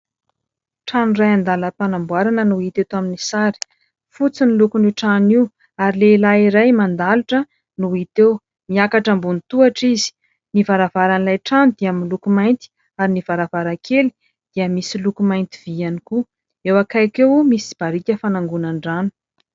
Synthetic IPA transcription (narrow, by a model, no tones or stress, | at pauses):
ʈ͡ʂanrajand̪aləpanambwaɾanənuit̪et̪aminisaɾi̥ | fut͡sinilukuniʈ͡ʂaniw | aɾilelaiɾajmand̪aluʈ͡ʂə | nuit̪ew | miakaʈ͡ʂambunit̪uaʈ͡ʂizi̥ | nivaɾavaɾanlajʈ͡ʂanud̪iaminlukumajnt̪i̥ | aɾiniv̥aɾavaɾakʰeli̥ | d̪̥iəmisilukumajnt̪iv̥ianiku | ewakajkewmisi̥b̥aɾikʲəfanaŋɡunaɳɖ͡ʐanu̥